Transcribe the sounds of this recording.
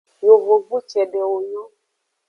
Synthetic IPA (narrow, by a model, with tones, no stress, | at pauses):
jo˨vo˨vu˦t͡ʃɛ˨ɖɛ˨o˨ɲɔ˦